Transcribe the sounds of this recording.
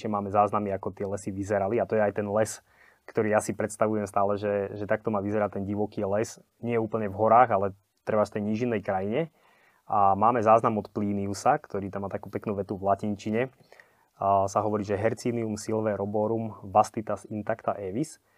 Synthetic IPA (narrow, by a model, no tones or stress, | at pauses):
ɲɛmaːmɛzaːznamiakɔt̪ɪɛlɛsiʋizɛɾaliat̪ɔjɛajt̪ɛnlɛs | kt̪ɔɾiːjasipɾɛt̪st̪aʋujɛmst̪aːlɛʒɛʒɛt̪ak̚t̪ɔmaːʋizɛɾat̪ɛnɟiʋɔkiːlɛs | ɲɪɛjɛuːpl̩ɲɛvɦɔɾaːɣalɛ | t̪ɾɛbaʃt̪ɛjɲiːʒinːɛjkɾajiɲɛ | ʔamaːmɛzaːznamɔt̪pliːniusakt̪ɔɾiːt̪amːaːt̪akuːpɛknuːʋɛt̪uvlacint͡ʃiɲɛ | saɦɔʋɔɾiːʒɛɦɛɾt͡siːniumsilʋɛɾɔbɔɾumʋast̪it̪asint̪akt̪aʔɛʋis